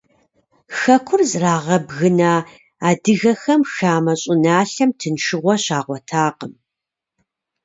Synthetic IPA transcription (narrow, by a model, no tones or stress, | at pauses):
xɐkʷʰʊrzraːʁɐbɣɨnaː | aːdɨɣɐxɐmxaːmɐɕʼɪnaːɬɐmtʰɨnʂɨʁʷɔɕaːʁʷɔtʰaːqəm